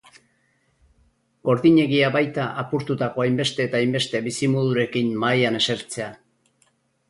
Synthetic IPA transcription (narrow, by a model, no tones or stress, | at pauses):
o̞ɾðiɲe̞ɣiaβajt̪aʔapuɾt̪ut̪ako̞ajmbe̞st̪e̞ːt̪aajmbe̞st̪e̞βisimoðuɾe̞kinmajane̞seɾt͡se̞a